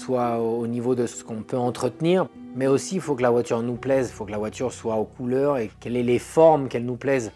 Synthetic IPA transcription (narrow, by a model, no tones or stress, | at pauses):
swaonivod̪əsəə̥kɔ̃pøɑ̃t̪χət̪niːʁmɛosifokəlavwat̪yʁnuplɛzfokəlavwat̪yʁswaokʰulœʁekɛlɛlefɔʁmkɛlnuplɛz